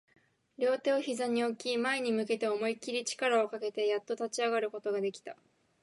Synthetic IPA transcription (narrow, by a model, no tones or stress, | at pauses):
ɾʲjo̞ːt̪e̞o̞çizaɲ̟io̞kʲimaeɲ̟imɯ̟ke̞t̪e̞o̞mo̞ikʲiɾʲit͡ɕi̥kaɾao̞kake̞t̪e̞jat̪ːo̞t̪at͡ɕiaɡaɾɯ̟ko̞t̪o̞ɡad̪e̞kʲi̥t̪a